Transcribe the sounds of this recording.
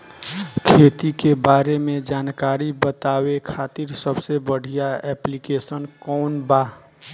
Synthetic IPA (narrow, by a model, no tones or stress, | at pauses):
kʰeːt̪ikebaːɾemẽd͡ʒaːnkaːɾibət̪aːwekʰaːt̪ɪɾsəbsebəɽ̤ʱijaɛːplikeːsənkɔːnbaː